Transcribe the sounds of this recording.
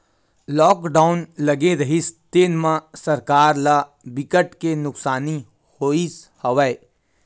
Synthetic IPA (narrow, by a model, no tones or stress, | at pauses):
lɔːkɖaːʊnlɐɡeɾɐɦist̪eːnmãsɐɾkaːɾla | bɪkəʈkenʊksaːni | hoːis | hɐʋəe